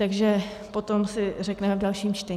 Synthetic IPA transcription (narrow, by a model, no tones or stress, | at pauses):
t̪aɡʒɛ | po̞t̪o̞msɪrɛknɛmɛvdalʃiːmt͡ʃt̪ɛ